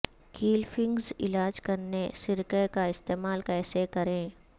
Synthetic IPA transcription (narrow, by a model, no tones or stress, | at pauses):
kiːlfʰɪ̃ŋɡzɪlaːd͡ʒkɐɾnesɪɾkəkaɪst̪eːmaːlkɛːsekɐɾẽː